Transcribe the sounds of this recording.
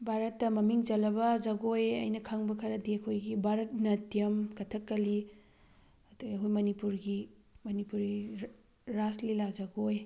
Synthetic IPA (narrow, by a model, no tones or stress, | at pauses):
bʱaɾɐtːɐmɐmiŋd͡ʒɐlɐbɐd͡ʒɐɡojɐ̰jnɐkʰɐŋbɐkʰɐɾɐdiɐkʰojɡibʱaɾɐt̚nɐtijɐmkɐtʰɐkːɐli | ɐduɐkɦujmɐnipuɾɡi | mɐnipuɾɡi | ɾaslilazɐɡoj